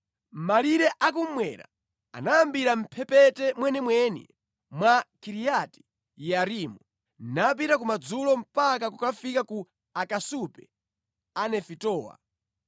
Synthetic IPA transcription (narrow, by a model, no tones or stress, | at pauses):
maliɾɛʔak̬um̩mwɛɾa̰ | a̰naambiɾam̩pʰɛpɛtɛmwɛnɛmwɛnḭ | mwakiɾijati̥ | jaɾimu | nap̬iɾak̬umad͡zulɔm̩pak̬akukafikaku | akasupɛ | anɛfitɔːwa̰